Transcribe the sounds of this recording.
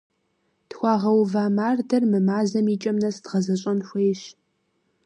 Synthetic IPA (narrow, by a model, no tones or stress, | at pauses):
txʷɑːʁɐwvaːmaːrdɐrmɨmaːzɐmiːt͡ʃʼɐmnɐsd̥ʁɐzɐɕʼɐnɕʷejɕ